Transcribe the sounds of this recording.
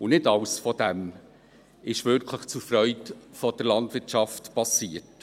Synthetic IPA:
ʊnɪtɑwsfɔd̥ɛm | ɪʃʋʏɾkʰləχt͡sufɾœʏtfɔd̥əɾlɑndvɪtʃɑftpɑsiːəɾt

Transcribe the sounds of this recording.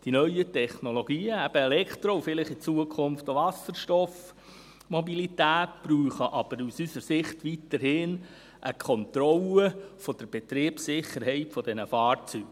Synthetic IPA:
d̥inœʏjətɛχnoloɡ̥iːəæb̥əelɛkt̪ɾoufɪlɪχit͡suəkʰχʊmft̪oʋɑsəɾʃtɔf | mobilit̪æːtpɾuːχəʔɑb̥əɾusysəɾsɪχt̪ʋit̪əɾhɪn | ʔəkʰɔnt̪ɾɔləfɔd̪̥əɾb̥ɛt̪ɾɪːpsɪχːəɾɦɛɪtfɔd̪ɛnəfɑːɾt͡syːɡ̥

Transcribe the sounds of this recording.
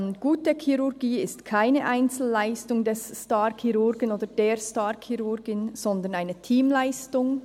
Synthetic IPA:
nɡ̥uːtəkʰiʁʊʁɡiːɪstkʰaɪnəʔaɪnt͡sl̩ːaɪstʊŋdɛsstaːɾkʰiʁʊɾɡənoːdədeːɾstaːʁkʰiʁʊɾɡɪnz̥ɔnd̪ənaɪnətʰiːmlaɪstʊŋ

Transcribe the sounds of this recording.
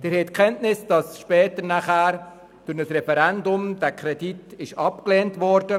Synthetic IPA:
d̥ɪɾhɛtkʰχɛntnɪsd̥ɑsʃpɛːtəɾnaχæːɾ | d̥ʊɾnəsrɛfɛɾɛndʊmd̥ækʰɾɛditɪʃɑpklɛːntvɔɾdə

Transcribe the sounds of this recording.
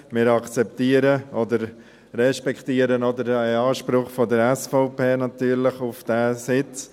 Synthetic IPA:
mɪɾɑkt͡sɛp̚t̪iːəɾəɔdəɾ | rɛʃpɛktiəɾənɔd̪əɾaɑːʃpɾʊχfɔdəɾɛsfɔʊpeːnɑt̪yːɾlɪχufd̥æːsɪt͡s

